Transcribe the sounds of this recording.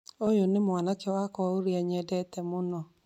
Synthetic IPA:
ojonɪmwanakɛwakɔoɾiaɲɛdɛtɛmonɔ

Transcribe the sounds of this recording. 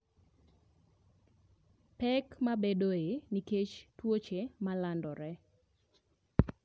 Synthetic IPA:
pɛkmabedoeniket͡ʃtwot͡ʃemalandɔɾɛ

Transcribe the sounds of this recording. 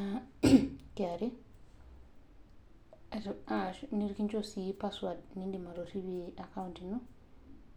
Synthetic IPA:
a | kaɾi | ataʃniɾkiɲd͡ʒɔsipaswad̚nindimaɾoɾiβiakauntinu

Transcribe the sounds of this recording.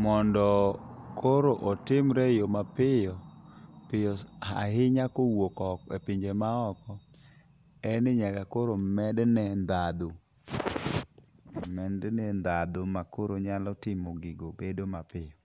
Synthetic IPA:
mɔndɔkʰoɾoʔɔtɪmɾɛjomapɪjɔpɪjɔaɦɪɲakowokɔkepiɲd͡ʒemaɔkɔ | ɛnɪɲakakoɾomɛdnɛnd̪ad̪o | mɛndnɛnd̪ad̪omakoɾoɲalɔtɪmoɡiɡobedomapɪjɔ

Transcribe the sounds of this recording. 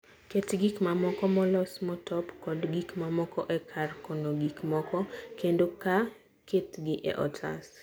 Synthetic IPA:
ketɡikmamɔkɔmɔlɔsmɔtɔpkɔdɡikmamɔkɔʔɛkʰarkɔnoɡikmɔkɔkendoka | ketɡɪʔɛ̰ʔɔ̰tʰa̰s

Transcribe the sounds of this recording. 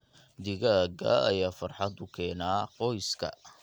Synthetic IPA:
d̪ɪɣaːɡɐ̰ɐ̰jaːfɑrħɑd̪ʊkʰɛːnaːqɔjskʰɐ̰

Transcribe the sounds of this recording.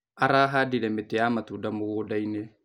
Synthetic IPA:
aɾaːɦaːdiɾɛmeteamatudamoɣodaine

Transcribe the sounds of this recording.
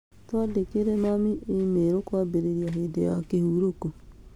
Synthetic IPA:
twadekeɾɛnamiʔemeɾokwaːbeɾeɾiaɦedejakehuɾoko

